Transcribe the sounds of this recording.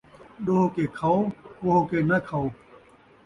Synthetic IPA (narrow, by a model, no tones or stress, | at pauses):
doːkekʰawkoːkenakʰaw